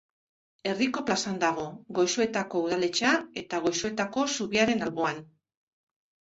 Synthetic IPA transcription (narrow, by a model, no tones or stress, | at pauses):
e̞riko̞plasand̪aɣ̞o̞ɣo̞jsue̞t̪ako̞uð̞ale̞t͡ʃae̞t̪aɣ̞o̞jsue̞t̪ako̞suβiaɾe̞nalβo̞an